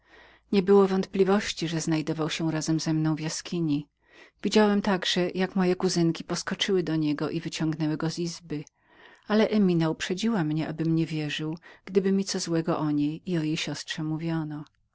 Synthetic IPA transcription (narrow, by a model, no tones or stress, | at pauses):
ɲɛbɘwɔvɔnt̪̚plʲivɔɕt͡ɕiʐɛznajd̪ɔvawɕɛɾazɛmzɛmnɔ̃w̃vjaskʲʰiɲi | vʲid͡ʑawɛmt̪aɡʐɛjakmɔjɛkuzɘŋkʲipɔskɔt͡ʂɘwɘd̪ɔɲɛɡɔʔivɘt͡ɕɔ̃ŋɡnɛwɘɡɔzizbɘ | alɛʔɛmʲinaupʂɛd͡ʑiwamɲɛʔabɘmɲɛvʲjɛʐɘwɡ̥d̪ɘbɘmʲit̪sɔzwɛɡɔʔɔɲejiɔjejɕɔstʂɛmuvʲjɔnɔ